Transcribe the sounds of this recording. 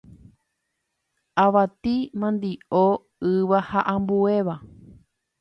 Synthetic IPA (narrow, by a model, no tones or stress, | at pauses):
aʋat̪imãnd̪io | ɨʋahaʔãmbueʋa